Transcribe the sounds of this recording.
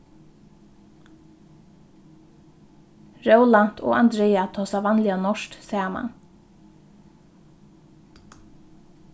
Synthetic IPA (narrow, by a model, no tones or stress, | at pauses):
ɾœwlan̥t̪ʰo̰ːʔa̰nd̪ɾeːat̪ʰoːsaʋɑnlɪanɔʃt̪sɛːəma̰n